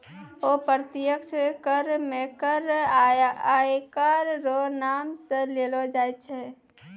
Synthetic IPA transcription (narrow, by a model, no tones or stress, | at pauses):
opəɾt̪ɪjəkskəɾmẽkəɾ | ajkaɾɾonamsẽlelod͡ʒajt͡ʃʰɛ